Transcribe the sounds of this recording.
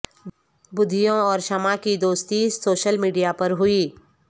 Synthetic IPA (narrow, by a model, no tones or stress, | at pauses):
bʊd̪ʱːijõɔːɾʃɐmakid̪oːst̪isoːʃəlmiːɖijapɐɾɦʊiː